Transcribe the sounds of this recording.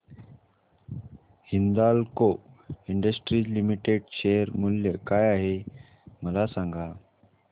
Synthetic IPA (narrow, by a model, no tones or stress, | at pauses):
hind̪alkoiɳɖəsʈɾiːlimiʈeɖɕejəɾmuljəkajaɦe | məlasãŋɡʱa